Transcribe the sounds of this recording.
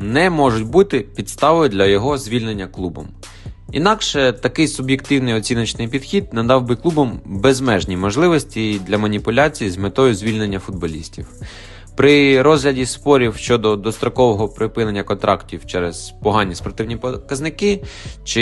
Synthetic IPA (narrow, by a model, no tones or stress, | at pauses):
nɛmɔʒʊtʲbut̪ɪpʲid̪st̪ɑʋɔjʊd̪lʲɐjɔɦɔzʲʋʲilʲne̞nʲːɐklˠubɔ̰m | ḭn̪ɑkʃɛt̪ɐkɪjsʊbjekt̪ɪwnɪjɔt͡sʲinɐt͡ʃnɪjpʲid̪xʲid̪̚nɐd̪ɑwbɪklˠubɔmbezmɛʒnʲimɔʒlˠɪʋɔsʲtʲid̪lʲɐmɐnʲipʊlʲat͡sʲijizmet̪ɔjʊzʲʋʲilʲnenʲːɐfʊd̪̚bɔlʲisʲtʲiw | pɾɪɾɔzɦlʲɐdʲispɔɾʲiwʃt͡ʃɔd̪ɔd̪ɔst̪ɾɔkɔʋɔɦɔpɾɪpɪnenʲːɐkɔnt̪ɾʔɑktʲiwt͡ʃɛɾɛz̥pɔɦɑnʲːispɔrt̪ɪwnʲipɔkɐznɪkɪt͡ʃɪ